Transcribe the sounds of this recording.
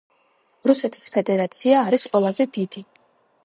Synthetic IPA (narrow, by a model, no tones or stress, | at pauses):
ɾusɛt̪ʰi̥spʰɛd̪ɛɾat̪sʰiaːɾisqʼwɛlˠazɛd̪id̪̥i